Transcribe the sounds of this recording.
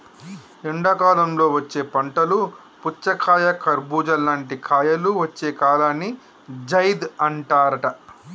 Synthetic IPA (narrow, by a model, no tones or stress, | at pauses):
iɳɖɐkaːlɐmlo̞ːʋɐt͡ʃːeːpɐɳʈɐlu | put͡ʃːɐkʰaːjɐkʰɐɾbuːd͡ʒɐlaːɳʈikʰaːjɐluʋɐt͡ʃːe̞ːkaːlaːnːi | d͡ʒɐjd̪ɐɳʈaːɾɐʈɐ